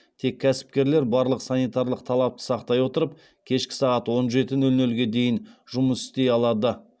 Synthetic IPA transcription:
t̪ʰe̞kʲʰːæsɪ̥p̚kʲe̞ɾle̞ɾbɑɾlˠəqsɑnijt̪ɑɾlˠəq̚t̪ʰɑlˠɑp̚t̪ə̥sɑqt̪ɑjwo̞t̪əɾəp̚ | kʲʰe̞ʃkʲɪ̥sɑʁɑt̪wo̞nʒe̞t̪ɪnɵlnɵlɡʲe̞d̪e̞jɪnʒʊməsʏ̥st̪e̞jɑlˠɑd̪ə

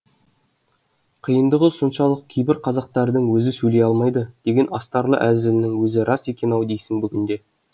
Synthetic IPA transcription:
qʰəjənd̪əʁəsonʃɑlˠəq̚kʲʰe̞jbɪɾqʰɑzɑq̚t̪ɑɾd̪əɴwɵzɪsɵjle̞jɑlˠmɑjd̪əd̪̥e̞ɡʲe̞nɑst̪ɑɾlˠə̰ʔæzɪlɪnɪŋwɵzɪɾɑse̞kʲe̞nɑwd̪ejsɪŋbʏɡʲɪnd̪e̞

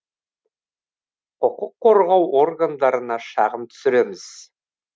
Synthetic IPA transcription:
oqʊqʰːo̞ɾʁɑwʔo̞rɡand̪ɑɾənɑʃɑ̰ʁəmt̪ʰʏ̥sɪɾe̞mɪz̥

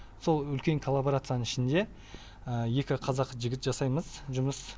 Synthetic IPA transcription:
so̞lˠʏlkʲe̞ŋkʰolˠːabo̞ɾat̪sɨjanəɴɪʃɪnd̪e̞ | əje̞kʲɪqʰɑzɑqʒɪɡʲɪt̪ʒɑsɑjməzʒʊməs

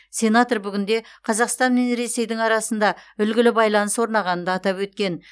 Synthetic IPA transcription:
sʲe̞nat̪o̞rbʏɡʲɪnd̪e̞qʰɑzɑqst̪ɑnme̞nɾe̞se̞jd̪ɪŋɑɾɑsənd̪ɑʏlɡʲɪlɪbɑjlˠɑnəswo̞ɾnɑʁɑnənd̪ɑːt̪ɑpwɵt̪̚kʲe̞n

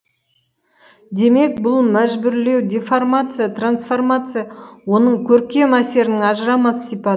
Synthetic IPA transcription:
d̪e̞me̞k̚bʊlˠmæʒbʏɾle̞wd̪ʲeformat̪sɨjat̪ransfo̞rmat̪sɨjawo̞nəɴkʲʰɵɾkʲe̞mæse̞ɾɪnɪŋɑʒəɾɑmɑsə̥sijpɑd̪ə

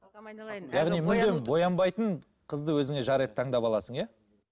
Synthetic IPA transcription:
jɑʁnijmʏd̪embo̞jɑmbɑjt̪əɴ | qʰəzd̪əwɵzɪŋe̞ʒɑɾet̪ʰːɑɴd̪ɑpɑlˠɑsəɴja

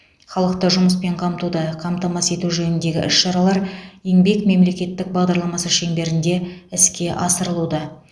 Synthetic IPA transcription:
χɑlˠəqt̪əʒʊməspe̞ɴqʰɑmt̪ud̪ɑqʰɑmt̪ɑmɑse̞t̪uʒɵnɪnd̪e̞ɡʲɪ̰ʔɪsʃɑɾɑlˠɑɾje̞ŋbe̞kme̞mle̞kʲe̞t̪ːɪk̚bɑʁd̪ɑɾlˠɑmɑsəʃe̞ŋbe̞ɾɪnd̪e̞ɪskʲe̞ʔɑsəɾəlˠud̪ɑ

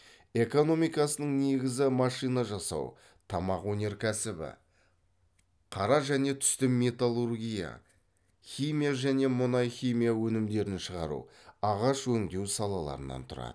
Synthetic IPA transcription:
e̞ko̞no̞mijkɑsənəɴne̞ɡʲɪzɪmɑʃijnɑʒɑsɑ̰w | t̪ʰɑmɑqwɵne̞ɾkʲʰæsɪbɪ̰ | qʰɑɾɑʒæne̞t̪ʰʏ̥st̪ɪmːe̞t̪alˠurɡʲija̰ | χʲijmʲijaʒæne̞mʊnɑjχʲijmijawɵnɪmd̪e̞ɾɪnʃəʁɑɾṵɑʁɑʃwɵŋd̪e̞wsɑlˠɑlˠɑ̰ɾə̰nɑ̰nt̪ʰʊɾɑ̰d̪ə

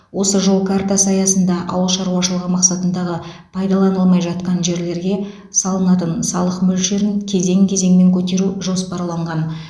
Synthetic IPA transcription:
wo̞səʒo̞lˠkʰart̪asɑjɑsənd̪ɑʔɑ̰wəlˠʃɑɾuwɑʃəlˠəʁəmɑqsɑt̪ənd̪ɑʁə | pʰɑjd̪ɑlˠɑnəlˠmɑjʒɑt̪̚qɑnʒe̞ɾle̞ɾɡʲe̞ | sɑlˠənɑt̪ənsɑlˠəqmɵlʃe̞ɾɪnkʲʰe̞ze̞ŋkʲʰe̞ze̞ŋme̞ŋkʲʰɵt̪e̞ɾuʒo̞spɑɾlˠɑɴʁɑn

